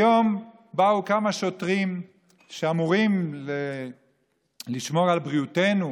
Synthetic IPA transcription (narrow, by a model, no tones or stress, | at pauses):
jom | baukamaʃotʁim | ʃeamuʁimle | liʃmo̞ʁalbʁiutenu